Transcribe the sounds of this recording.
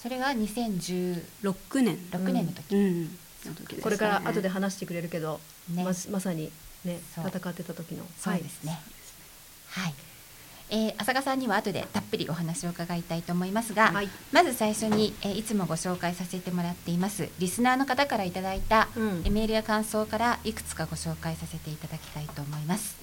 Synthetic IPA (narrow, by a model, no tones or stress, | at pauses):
so̞ɾe̞βaɲ̟isẽ̞ɲ̟d͡ʑɨːɾokɯ̟nẽɾo̞kɯ̟nenːo̞t̪o̞kʲi | t̪okʲkoɾekaɾaʔa̰t̪o̞d̪eɦanaɕi̥t̪e̞kɯ̟ɾe̞ɾɯ̟ke̞d̪o̞ | nemasaɲ̟ine̞soːat̪akat̪ːe̞t̪at̪o̞kʲino̞̰so̞ːd̪e̞sɨ̥ne̞ | hai | eːʔasakasãɲ̟ːiβaːt̪o̞d̪e̞̰t̪apːɯ̟ɾʲḭʔo̞ɦanaɕio̞ɯ̟kaɡait̪ait̪o̞ːmo̞imasɨɡamazɨsaiɕo̞ɲ̟ieit͡sɨmo̞ɡo̞ɕo̞ːkaisase̞t̪e̞mo̞ɾat̪ːe̞imasɨ̰ɾʲisɨnaːno̞kat̪akaɾait̪ad̪ait̪aeme̞ɾɯ̟akãɰ̃so̞ːkaɾaikɯ̟̥t͡sɨ̥kaɡo̞ɕo̞ːkaisase̞t̪e̞it̪ad̪akʲi̥t̪ait̪o̞ːmo̞imasɨ̥